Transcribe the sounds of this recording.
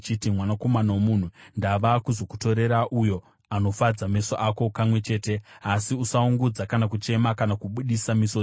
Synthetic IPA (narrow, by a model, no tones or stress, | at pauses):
t͡ʃitimwanako̞manawomun̤undaʋakuzo̞ku̥to̞ɾe̞ɾaʔujo̞ | ano̞fad͡zamesoʔako̞kamwe̞t͡ʃe̞ːte̞asiusauŋɡud͡zakanakut͡ʃe̞makanakuɓuɗisamiso